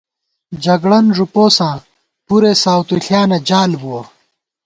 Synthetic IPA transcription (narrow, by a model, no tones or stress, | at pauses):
d͡ʑɐɡɽɐnʐupoːsãː | puɾesaːwt̪uɬjaːnɐd͡ʑaːlbuwɐ